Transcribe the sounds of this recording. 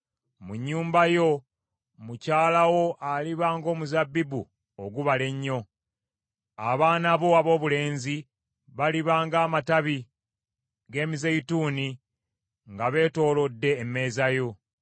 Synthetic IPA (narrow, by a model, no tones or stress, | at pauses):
muɲːuːmbajo̞ | mucaːlawo̞ʔaliβaːŋɡo̞ːmuzabːibu | oɡuβale̞ɲːo̞ | a̰βaːnaβo̞aβo̞ːβule̞ːnzi | βaliβaːŋɡaːmataβi | ɡe̞ːmizejituːni | ŋɡaβe̞ːto̞ːlo̞dːe̞ːmːe̞ːzajo̞